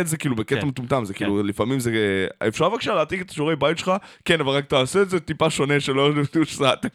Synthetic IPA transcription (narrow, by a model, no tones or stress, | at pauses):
t̪zekiːlubeket̪amet̪umt̪amzekiːlulifamimzea̰efʃaʁvakʃaleat̪iket̪ḁʃoʁejbajt̪ʃelχakenavalʁak̚taːseetzet̪ipaʃo̞ne̞ʃelojeeft̪uʃsat̪